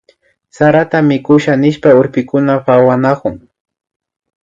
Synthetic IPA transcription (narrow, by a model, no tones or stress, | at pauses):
saɾat̪amɪkʊʃanɪʃpaʊɾpɪkʊnapawanakʊŋ